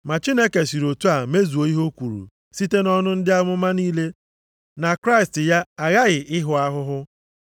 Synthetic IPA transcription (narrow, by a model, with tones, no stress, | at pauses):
ma˨t͡ʃi˦ne˦ke˨si˨ɾo˨tu˦a˨me˦zu˨o˨i˦ɦo˦kʷu˨ɾṵ˨ | si˦te˦nɔ˦nʊ˦n̩˦dɪ˦a˦mʊ˦ma˦niː˦le˦ | na˨kɾa˦ɪ˨stɪ˨ja˦a˨ɣa˦ɣɪ˨ʔɪ˦ɦʊ˦a˦ɦʊ˦ɦʊ˦